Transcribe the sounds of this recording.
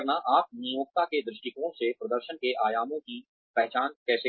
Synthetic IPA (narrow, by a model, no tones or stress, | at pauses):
ɾnaʔaːp̚nijoːk̚t̪aked̪ɾɪʃʈɪkõsepɾɐd̪əɾʃənkeʔaːjaːmõki | pɛɦt͡ʃaːnkɛːse